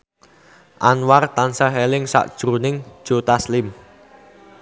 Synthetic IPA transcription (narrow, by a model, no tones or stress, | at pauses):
ʔanwart̪ansəɦɛlɪŋsa̰ʔd̥ʒ̥ɾunɪŋ̥ʒ̥o̤t̪aslɪm